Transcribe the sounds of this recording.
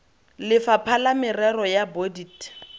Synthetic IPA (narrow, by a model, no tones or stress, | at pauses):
lɪfapʰalamɪrɛrɔjabodit